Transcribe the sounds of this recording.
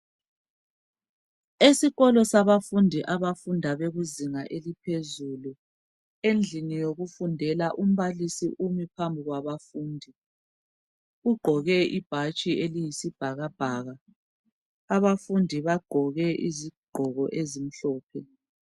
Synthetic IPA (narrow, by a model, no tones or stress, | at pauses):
esiɣɔlɔsaβafundʱiʔaβafundʱaβeɣuziŋaʔelipʰezulu | end͡ɮʱinijoɣufundʱɛlaʔum̩βalisḭʔumipʰambʱiɣwaβafuːndʱi | uɡ͡ǃʱɔɣɛʔib̥ʱat͡ʃʼiʔelijisib̥ʱaɣab̥ʱaːɣa | βafundʱiβaɡ͡ǃʱɔɣɛʔiziɡ͡ǃʱɔɣɔ̰ʔezim̩ɬɔːpʰɛ